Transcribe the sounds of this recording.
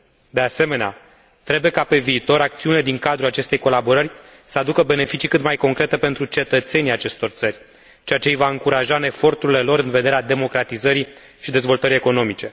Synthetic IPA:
d̪e̞ase̞me̞nea̰ | t̪ɾe̞bujekape̞viːt̪o̞ɾak̚t̪siuniled̪iŋkad̪ɾulat͡ʃe̞st̪e̞jko̞labo̞ɾərʲ | səad̪ukəbe̞ne̞fit͡ʃikɨt̪majko̞ŋkɾe̞t̪e̞pe̞nt̪ɾut͡ʃe̞t̪ət̪se̞nijat͡ʃe̞st̪o̞rt̪sərʲ | t͡ʃeat͡ʃe̞ijvaɨŋkuɾaʒaɨnefo̞rt̪uɾile̞lo̞ɾɨnve̞d̪e̞ɾead̪e̞mo̞kɾat̪izəɾi | ʃid̪e̞zvo̞lt̪əɾie̞ko̞no̞mit͡ʃe̞

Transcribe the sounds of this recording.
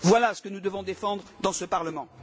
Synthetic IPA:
vwalasə̥kənud̪əvɔ̃d̪efɑ̃d̪ʁəd̪ɑ̃səpaʁləmɑ̃

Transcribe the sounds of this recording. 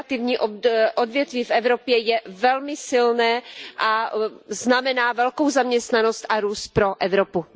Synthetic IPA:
t̪ɪvɲiːʔoʔodvjɛt̪viːfɛvɾopjɛjɛvɛlmɪsɪlnɛːʔaznamɛnaːvɛlko̞wzamɲɛst̪nano̞st̪ʔaɾuːst̪̚pɾo̞ʔɛvɾopu

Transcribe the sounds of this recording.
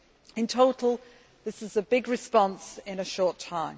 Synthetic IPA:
ɪ̃ntʰoʊtˡl̩ˠ | ðɪsɪzəbɪɡɹɪspɒ̃nsɪ̃nəʃɔˑtʰãɪ̃m

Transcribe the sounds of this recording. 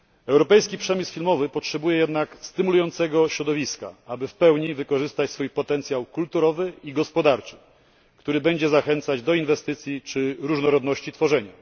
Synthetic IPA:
ɛwɾɔpɛjskʲipʂɛmʲisfʲilmɔvɘpɔtʂɛbujɛjɛd̪nakst̪ɘmulujɔnt̪sɛɡɔɕɾɔd̪ɔvʲiska̰abɘfpɛwɲivɘkɔʐɘst̪at͡ɕsfujpɔt̪ɛnt̪sʲjawkult̪uɾɔvɘiɡɔspɔd̪aɾt͡ʂɘ̥ | kt̪uɾɘbɛɲd͡ʑɛzaxɛnt̪sad͡ʑd̪ɔinvɛst̪ɘt̪sʲjit͡ʂɘɾuʐnɔɾɔd̪nɔɕt͡ɕit̪fɔʐɛɲa̰

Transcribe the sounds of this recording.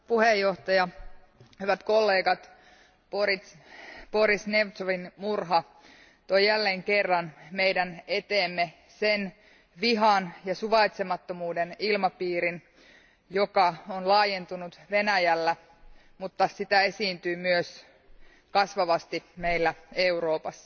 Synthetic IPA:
puhejːoht̪ɑjɑ | hyʋæt̪kolːeːɡɑt̪ | porit̪ | poɾisneʋt̪soʋinmurɦɑ | t̪ojjælːeːŋkerːɑnmeidæne̞t̪eːmːe | sen | ʋiɦɑnjɑsuʋɑit̪semɑt̪ːomuːdenilmɑpiːɾin | jokɑonlɑːjent̪unut̪ʋe̞næjælːæ | mut̪ːɑsit̪æe̞siːnt̪yːmyøs | kɑsʋɑʋɑst̪imeilːæeuro̞ːpɑsːɑ̥

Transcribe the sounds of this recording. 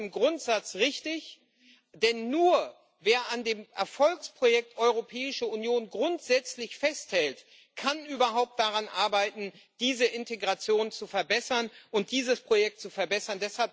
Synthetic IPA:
mɡʁʊntz̥at͡sʁɪçtɪç | d̥ɛnːuːɐ | veːɐandeːmʔɛɐfɔlkspʁ̥ojɛk̚tʔɔʏʁopʰɛːɪʃəunjoːnɡʁʊntz̥ɛt͡slɪçfɛsthɛlt | kʰanʔyːbɐɦaʊp̚t̚d̥aʁanʔaɐbaɪtn̩ | d̥iːzəʔɪnteɡʁat͡sjoːnt͡sufɛɐbɛsɐnʔʊnt̚d̥iːzəspʁ̥ojɛk̚tt͡sufɛɐbɛsɐndɛshalp̚

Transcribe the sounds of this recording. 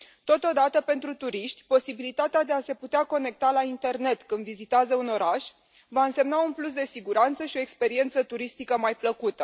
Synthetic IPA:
t̪o̞t̪o̞d̪at̪əpe̞nt̪ɾut̪uɾiʃt̪ʲpo̞sibilit̪at̪ead̪e̞ase̞put̪eako̞ne̞k̚t̪alaint̪e̞rne̞t̪kɨnd̪vizit̪eazəuno̞ɾaʃ | vaɨnse̞mnaunplus̬d̪e̞siɡuɾant̪səʃio̞ekspe̞ɾie̞nt̪sət̪uɾist̪ikəmajpləkut̪ə

